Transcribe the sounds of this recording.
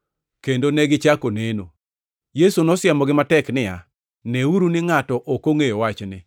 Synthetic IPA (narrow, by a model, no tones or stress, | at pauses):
kendonɛɡɪt͡ʃakoneno | jesonɔsjɛmɔɡɪmatɛknɪja | neuɾunɪŋatɔʔokoŋejowat͡ʃnɪ